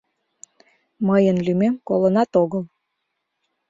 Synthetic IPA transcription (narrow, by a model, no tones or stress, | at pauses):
məjənlymemkolənɑt̪oɣəl